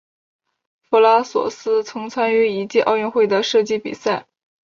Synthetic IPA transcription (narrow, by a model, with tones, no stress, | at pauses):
fu˥la˥swɔ̰˨˩sɹ̩˥t͡sʰɤ˧˥ŋt͡sʰwa˥ny˧˥i˧˥t͡ɕi˥˧ʔɑ˥˧ʊɥɛ˥˧nxwe˥˩ɪd̪ə˩ʂɤ˥˧t͡ɕi˥˩pḭ˨˩sa˥˩ɪ